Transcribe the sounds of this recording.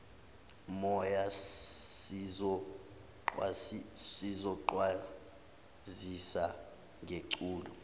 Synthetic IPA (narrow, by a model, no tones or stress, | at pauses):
mɔja | ɔ | ǃasizɔǃwa | zisa | ŋʱeǃuːlɔ